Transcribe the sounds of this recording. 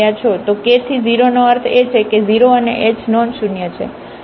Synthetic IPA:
at͡ʃʰot̪oket̪ʰiziɾonoəɾt̪ʰet͡ʃʰekeziɾoəneʔet͡ʃʰnɔnʃunjət͡ʃʰḛ

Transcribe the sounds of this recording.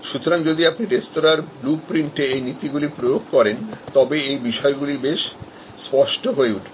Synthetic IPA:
ʃut̪oɾaŋd͡ʑod̪iapniɾesʈ̪oɾaɾblupɾiɳʈeejnit̪iɡulipɾojoɡʱkɔɾent̪ɔbeejbiʃɔeɡulibeʃ | spɔʃʈoɦoeuʈʰ

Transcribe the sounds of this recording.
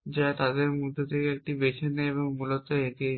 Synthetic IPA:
d͡ʑat̪ad̪eɾmud̪ʱot̪ʰekeek̚ʈibet͡ɕʰeneeβoŋmulot̪oeki

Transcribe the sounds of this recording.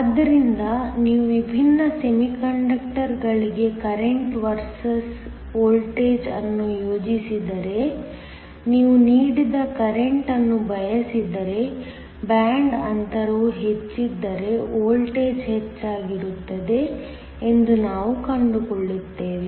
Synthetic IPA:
ɐd̪ːɐɾind̪ɐniːʋuʋibʱinːɐse̞mikɐɳɖɐk̚ʈɐɾɡɐɭiɡe̞kɐɾeɳʈʋɐɾsɐs | oːlʈeːd͡ʒɐ̰nːujoːd͡ʒisid̪ɐɾe̞ | niːʋuniːɽid̪ɐkɐɾeɳʈɐnːubɐjɐsid̪ɐɾe̞ | baːɳɖɐnt̪ɐɾuɦe̞t͡ʃːid̪ːɐɾe̞oːlʈeːd͡ʒɦet͡ʃːaːɡiɾut̪ːɐd̪e̞ː | nd̪unaːʋukɐɳɖukoɭːit̪ːeːʋi

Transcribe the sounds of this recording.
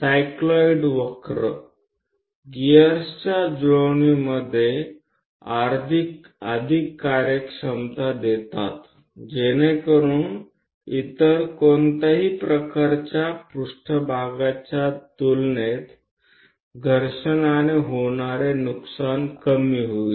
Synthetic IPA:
sajkloiɖʋəkɾə | ɡijəɾst͡ɕad͡zoɳiməd̪ʱːje | aɾt̪ik | əd̪ʱikːaɾjəkʂəmt̪ad̪et̪a̰t̪ | d͡ʑenekəɾuːn | it̪əɾkont̪aɦiːpɾəkaɾt͡ɕapɾuʂʈʰəbʱaɡat͡ɕjat̪ulnet̪ | ɡʱəɾɕənaneɦoɳ̃aɾenuksankəmiːɦoʋiː

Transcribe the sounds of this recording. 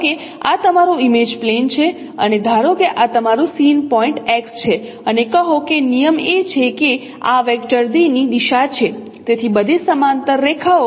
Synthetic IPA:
ke | a̰t̪əmaɾũimed͡ʒplent͡ʃʰe | ə̰ned̪ʱaɾokeʔat̪əmaɾũsinpɔĩɳʈɛkst͡ʃʰe | ənekəɦokenijəmet͡ʃʰeke | a̰ʋɛk̚ʈəɾd̪inid̪iʃat͡ʃʰe | t̪et̪ʰibəd̪ʱesəmant̪əɾːekʰao

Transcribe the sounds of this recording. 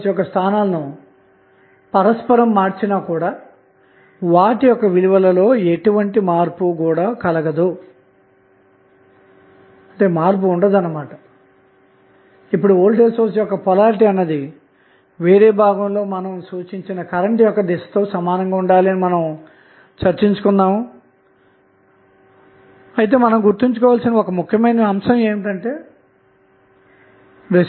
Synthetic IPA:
t͡ʃijɔk̬ːɐst̪ʰaːnaːlɐnu | pɐɾɐspɐɾɐmːaːɾt͡ʃinaːkuːɽaː | ʋaːʈijɔkːɐʋiluʋɐlɐlo̞ːeʈuʋɐɳʈimaːɾpuɡuːɽaːkɐlɐɡɐd̪u | ɐɳʈe̞ːmaːɾp̬uuɳɖɐd̪ɐnːɐmaːʈɐ | ipːuɽuoːlʈeːsoːt͡ʃijɔkːɐpɔlaːɾiʈ̬iɐnːɐd̪i | ʋe̞ːɾe̞ːbʱaːɡɐmlo̞ːmɐnɐmsuːt͡ʃiɲt͡ʃinɐkɐɾɐɳʈijɔkːɐd̪ɛsɐ̥t̪o̞ːsɐmaːnɐŋɡaːuɳɖaːliɐnimɐnɐm | t͡ʃɐɾt͡ʃiɲt͡ʃu̥kunːaːm | ɐjit̪̬e̞ːmɐnɐmɡuɾt̪iɲt͡ʃukɔːʋaːlsinɐɔkɐmukʰːjɐmɐjnɐɐmsɐmeːmiʈɐɳʈe̞ː | ɾe

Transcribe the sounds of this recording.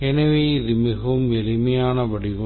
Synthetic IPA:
ɛnɐʋeɪðɪmɪɣɐmɛlɪmɐjaːnɐʋɐɽɪʋɯ

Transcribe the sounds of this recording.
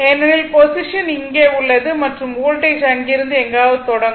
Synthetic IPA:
ɛnːɐɭɪlpɔsɪʂɐnɪŋɡeːʊɭːɐðɯmɐʈrɯmuːlʈːeɪsɐŋɡɪɾɯnd̪ɯɛŋɡaːʋɐt̪ːɔɽɐŋɡ

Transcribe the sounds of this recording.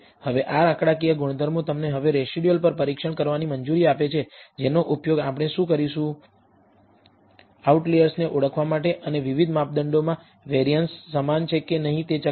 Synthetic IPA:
həʋeʔaɾãkɽakijəɡuɽ̃əd̪ʱəɾmot̪əmneɦəʋeɾeʃiɖjolpəɾpəɾikʃəɳ̃kəɾʋaniməɲd͡ʒuɾiapet͡ʃʰed͡ʒenoʔupjoɡapəɽ̃eʃũkəɾiʃũ | auʈlejəɾsneʔoɽəkʰʋamaʈeʔəneʋiʋid̪map̚d̪əɳɖomã | ʋeɾijənsːəmant͡ʃʰekenəɦĩt̪et͡ʃə

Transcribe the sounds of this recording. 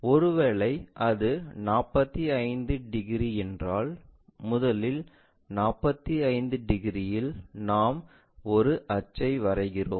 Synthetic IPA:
ɔɾɯʋeːɭɐɪʔɐðɯnaːpːɐt̪ːiɐɪnd̪ɯɖɪɣɪɾiɛndraːl | mʊðɐlɪl | naːpːɐt̪ːiɐɪnd̪ɯɖɪɣɪɾɪjɪlnaːm | ɔɾɯʔɐt͡ʃːɐɪʋɐɾɐɪɣɪro̰ːm

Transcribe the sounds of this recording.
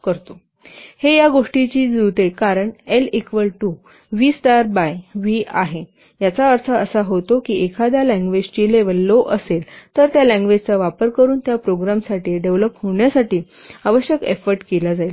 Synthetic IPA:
kəɾt̪o | hejaɡoʂʈit͡ɕiːd͡zut̪ekaɾəɳelikʋəlʈu | ʋiːsʈaɾbajʋiaɦe | jat͡saəɾt̪ʰaəsaɦot̪okiːekʰad̪jalæ̃ŋɡʋed͡ʑt͡ɕiːleʋəlːoʔəselt̪əɾt̪jalæ̃ŋɡʋed͡ʑt͡saʋapəɾkəɾuːnt̪japɾoɡɾamsaʈiːɖeʋləpɦoɳjasaʈiː | aʋəɕjəkḛfəɾʈkelad͡zajl

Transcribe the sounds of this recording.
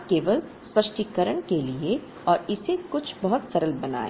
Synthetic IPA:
keːʋəlspəʃʈikəɾəɳkelie | ɔːɾɪsekʊt͡ʃʰbɐɦʊt̪sɐɾəlbɐna̰ːḛ

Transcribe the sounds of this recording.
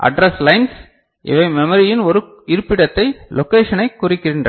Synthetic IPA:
ʔɐ̰ɖɾɐslɐɪns | ʔɪ̰ʋɐɪmɛmɐɾɪjɪnɔɾɯ | ɪɾɯpːɪɽɐt̪ːɐɪlʔɔkeːʂɐnɐɪkːuːrɪkːɪɾɪndrɐ

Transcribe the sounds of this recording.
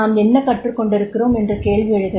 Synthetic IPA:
aːmɛnːɐkɐʈrɯkːɔɳɖɪɾɯkːɪroːmɛndrɯkeːɭʋɪjɛɻɯɣɪ

